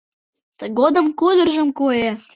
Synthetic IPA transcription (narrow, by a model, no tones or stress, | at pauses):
ɡod̪ə̆mkud̪ə̆rʒə̆mkoje